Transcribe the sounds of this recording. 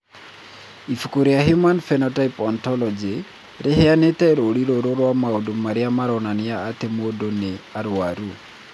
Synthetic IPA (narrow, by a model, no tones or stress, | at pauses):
ifukuɾiaɦjumanfɛnɔtajpɔntɔlɔd͡ʒe | ɾʔɪɦɛanet̪ɛɾoɾiɾoɾoɾwamaodomaɾɪamaɾɔnanɪjaːt̪emodoneaɾwaɾu